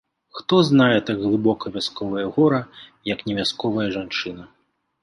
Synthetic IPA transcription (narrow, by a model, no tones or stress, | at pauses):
xt̪ɔznajɛt̪aɡɣlˠɨbɔkɐvʲaskɔvɐjɐɣɔɾɐjɐknʲɛvʲaskɔvɐjɐʐant͡ʂɨnɐ